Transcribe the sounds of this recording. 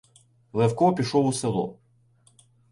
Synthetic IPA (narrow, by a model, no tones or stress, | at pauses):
lˠɛwkɔpʲiʃɔwʊselˠɔ̰